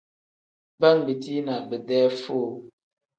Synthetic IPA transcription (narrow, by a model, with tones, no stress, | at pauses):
ba˦ŋbi˨ti˦na˨bə˨dɛː˦fo˦˨